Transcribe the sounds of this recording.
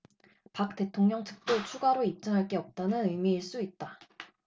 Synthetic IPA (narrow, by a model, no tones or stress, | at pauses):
pak̚t͈e̞tʰoŋɲʌŋt͡ɕɯ̥k̚t͈ot͡ɕʰuɡaɾoip̚t͡ɕ͈ʌŋɦaɭk͈e̞ʌp̚t͈anɯnɯjmiːɭs͈uit̚t͈a